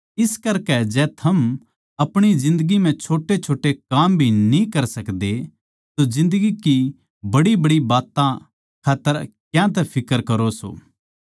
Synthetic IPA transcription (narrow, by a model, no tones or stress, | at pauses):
ɪskɐɾkɛd͡ʒɛːt̪ʰɐm | ɐpɽ̃id͡ʒɪ̃nd̪əɡim̤ɛ̃t͡ʃʰoːʈet͡ʃʰoːʈekaːmbʱinĩkɐɾsɐkd̪e | t̪od͡ʒɪ̃nd̪əɡiki | bɐɽibɐɽibaːt̪ã | kʰaːt̪ːəɾkjãt̪̬ɛpʰɪkəɾkɐɾoso̰ː